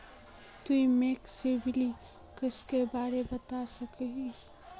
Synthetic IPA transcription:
t̪uimeːksebʱɪli | kəskebaːɾebɐt̪asɐkeɦi

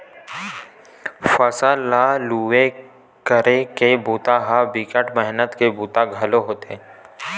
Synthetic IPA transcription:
fəsəllːaluːʋe | kəɾekebuːt̪aɦabɪkəʈmɛɦnət̪kebuːt̪aɡʱɐloɦoːt̪e

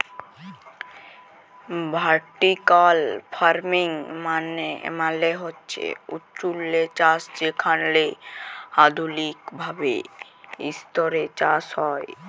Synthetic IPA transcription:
bʱaɾʈikalfʰaɾmiŋmaneḛmaleɦotːɕʰḛṵtːt͡ʃulːet͡ɕasd͡ʑekʰanle | ad̪ulikbʱabḛ | ḭst̪oɾet͡ɕashɔe

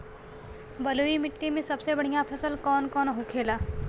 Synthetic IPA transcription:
bɐluːimɪʈːimẽsɐbsebɐɽ̤ijãpʰəsəlkɔːnkɔːnɦokʰeːlaː

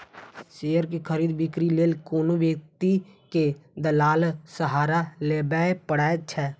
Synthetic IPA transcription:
ʃeːjəɾkikʰəɾiːd̪bɪkɾileːlkoːnoʋjək̚t̪iked̪əlaːlsəɦaːɾaleːbapəɽaːt͡ʃʰɛː

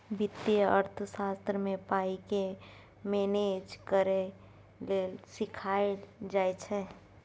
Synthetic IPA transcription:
bɪt̪ːiəɾt̪ʰəsaːst̪ɾəmẽpaːike | meːned͡ʒkəɾe | lesɪkʰaːed͡ʒaːet͡ʃʰɛ

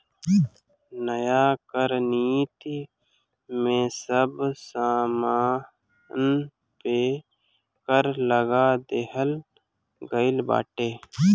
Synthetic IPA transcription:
nəjakəɾniːt̪i | mẽsəbsaːmaː | n | pe | kəɾləɡaːd̪eɦəl | ɡəɪlba̰ːʈeː

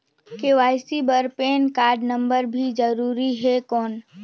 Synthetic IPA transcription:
keʋaːɪsibəɾpeːnkaːɾɖnə̃mbəɾbʱid͡ʒəɾuːɾiɦɛkɔːn

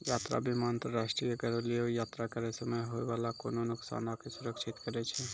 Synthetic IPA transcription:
jaːt̪ɾa̰bʱimaənt̪ɾəɾaːʃʈɾijəkəɾliojaːt̪ɾakəɾesəmejɦoʋalako̰ːnonʊksa̰ːnakesʊɾəkʃʰɪt̪kəɾɛt͡ʃʰɛ

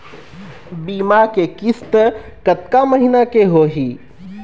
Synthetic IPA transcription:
biːmakekɪst̪ | kət̪̚kaməɦinakeɦoːɦiː

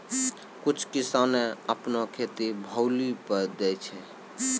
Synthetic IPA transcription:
kut͡ʃʰkisaneəpnokʰet̪ibʱəwlipəɾd̪ɛt͡ʃʰɛ

